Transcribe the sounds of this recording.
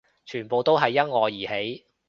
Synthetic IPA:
t͡ʃʰyː˨˩npo˨˧wt̪o˥wɦɐ˨jːɐ˥t̚ŋɔː˨˧jjiː˨˩he˨˥j

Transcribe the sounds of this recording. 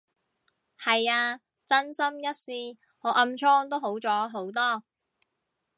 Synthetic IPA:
hɐ˨jaː˧ | t͡sɐ˥nsɐ˥mjɐ˥t̚siː˨˧ | ŋɔː˨˧ʔɐ˧mt͡ʃʰɔː˥ŋt̪o˥wɦo˨˥wt͡sɔː˨˥ɦo˨˥wt̪ɔː˥

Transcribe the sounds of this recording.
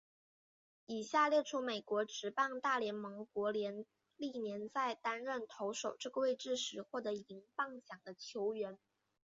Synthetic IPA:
i˨˩ɕja˥˧ljɛ˥˩ʈ͡ʂʰu˥me˨˩ɪkwɔ˧˥ʈ͡ʂɻ̩˧˥pɑ˥˧ŋt̪a˥˩ljɛ˧˥nmɤ˧˥ŋkwɔ˧˥ljɛ˧˥n | li˥˩njɛ˧˥nt͡sa˥˩ɪt̪a˥nɻə˥˩nt̪ʰo˧˥ʊʂo˨˩ʊʈ͡ʂɤ˥˩ɡə˩we˥˧ɪʈ͡ʂɻ̩˥˩ʂɻ̩˧˥xwɔ˥˩t̪ɤ˧˥i˧˥ŋpɑ˥˩ŋɕjɑ˨˩ŋd̪ə˦t͡ɕʰjo˧˥ʊɥɛ˧˥n

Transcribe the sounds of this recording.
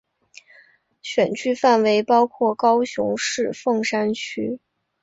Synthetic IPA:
ɕɥɛ˨˩nt͡ɕʰy˥fa˥˩nwe˧˥ɪpɑ˥ʊkʰwɔ˥˩kɑ˥ʊɕjʊ̰˧˥ŋʂɻ̩˥˧fɤ˥˩ŋʂa˥nt͡ɕʰy˥

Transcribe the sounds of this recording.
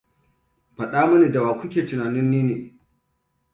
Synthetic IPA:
ɸɐ˨ɗaː˦mu˦niː˨da˨waː˨kʷʊ˦kʲeː˨tɪ˨naː˨nɪ˦nːiː˦neː˨

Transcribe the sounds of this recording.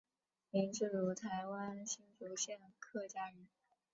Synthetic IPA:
li˧˥ŋʈ͡ʂɻ̩˥˩ɻu˧˥t̪ʰa˧˥ɪwa˥nɕi˥nfu˧˥ɕjɛ˥˩nkʰɤ˥˩t͡ɕja˥ɻə˧˥n

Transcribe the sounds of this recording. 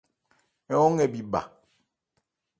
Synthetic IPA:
ɛ˦ɔ˦ŋɛ˨bi˦ba̰˨

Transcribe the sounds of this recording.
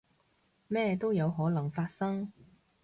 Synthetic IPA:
mɛː˥t̪o˥wjɐ˨˧wɦɔː˨˥lɐ˨˩ŋfaː˧t̚sɐ˥ŋ

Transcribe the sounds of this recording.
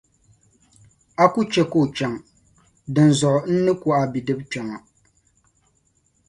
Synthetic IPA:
a˦ku˦t͡ʃɛ˦ko˦˨t͡ʃɛ˨ŋ | dɨ˨n˨zʊ˨ʔn̩˦nɨ˦kʊ˦ʔa˨bi˨dɨ˦bt͡ʃɛ˨ŋa˨

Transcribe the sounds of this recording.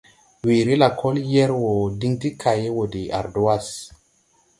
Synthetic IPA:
wi˨ɾi˦la˨kʰo˦ljɛ˦ɾwo˨di˦ŋti˦kʰa˨je˦wo˨di˨a̰˨ɾdo˨˦a˦s

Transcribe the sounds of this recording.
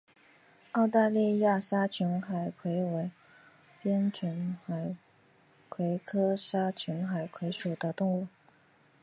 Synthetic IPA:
ɑ˥˧ʊt̪a˥˧li˥˧ja˥˩ʂa˥t͡ɕʰy˧˥nxa˨˩ɪkʰwe˧˥ɪwe˧˥ɪ | pjɛ˥nt͡ɕʰy˧˥nxa˨˩ɪ | kʰwe˧˥ɪkʰɤ˥ʂa˥t͡ɕʰy˧˥nxa˨˩ɪkʰwe˧˥ɪʂu˨˩d̪ə˦t̪ʊ˥˧ŋu˥˩

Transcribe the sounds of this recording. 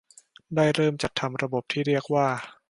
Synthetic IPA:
daː˥˩jɾɤː˥˩mt͡ɕa˨˩t̪ʰːa˧mɾa˧bo˨˩p̚t̪ʰiː˥˩ɾi˥˩ək̚waː˥˩

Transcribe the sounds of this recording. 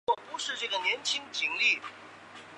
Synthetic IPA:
ɔ˥˩pu˧˥ʂɻ̩˥˧ʈ͡ʂɤ˥˩ɡə˩njɛ˧˥nt͡ɕʰi˥ŋt͡ɕi˧˩ŋli˥˩

